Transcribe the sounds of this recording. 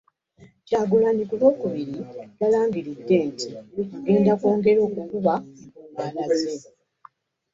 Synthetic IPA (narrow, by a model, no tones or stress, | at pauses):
caːɡulaːndikulo̞ːkuβiɾiɡalaːmɡiɾidːe̞ːntiɡe̞ːndakoːŋɡe̞ɾo̞ːkukuβamumaːnaze